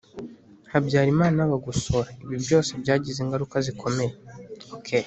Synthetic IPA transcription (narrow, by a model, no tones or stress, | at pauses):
habjaːɾimaːnaβaɡusoɾaiβibɟo̞ːse̞bɟaːɟizeːŋɡaɾukazikʰo̞me̞ɾekʰeɾ